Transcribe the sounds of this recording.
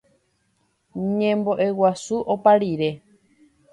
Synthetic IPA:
ɲẽmbo̞ʔe̞wasuʔopaɾiɾe̞

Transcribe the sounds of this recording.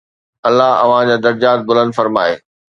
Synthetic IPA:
ɐlːaɦɐ̰ʋ̤ãd͡ʑaːd̪ɐɾd͡ʑaːt̪̚bʊlə̃nd̪fɐɾmaːeː

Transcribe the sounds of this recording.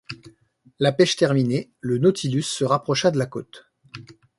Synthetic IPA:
lapɛʃt̪ɛʁminelənɔt̪ʰilysːəʁapχɔʃad̪əlako̰t̪

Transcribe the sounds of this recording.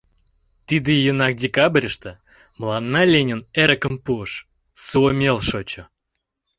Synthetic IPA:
t̪ɨd̪ɨjənɑk̚dʲekabrʲəʃt̪ə | mlˠɑnːɑlʲenʲəneɾəkəmpuəʃ | suomʲelˠʃot͡ɕo

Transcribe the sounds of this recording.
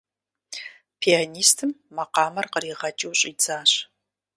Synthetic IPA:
pʰianiːstʰɨmːɐqɑːmɐrqəɾiːʁɐt͡ʃʼiwɕʼid͡zaːɕ

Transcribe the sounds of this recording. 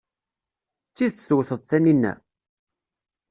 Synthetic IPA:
t͡sːiðt͡sːθwθəðˤθæninːæ̰

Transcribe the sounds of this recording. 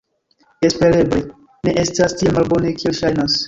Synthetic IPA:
e̞spe̞ɾe̞ble | ne̞ʔe̞stastielmalbo̞nekielʃajnas

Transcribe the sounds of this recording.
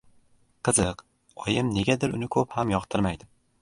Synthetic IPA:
qʰɨzɨq | ɒjɪmne̞ɡʲad̪ɪɾʊnɪkʰɵphamjɒqt̪ʰɪɾmajd̪ɪ

